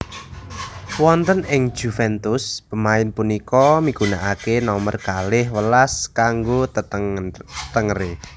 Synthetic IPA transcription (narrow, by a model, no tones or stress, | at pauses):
wɔnt̪ənɪŋ̥ʒ̥ṳfɛnt̪ʊspəmaɪnpunikɔmikuna̰ʔakenɔmərkalɪhwəlaskaŋɡo | t̪əŋre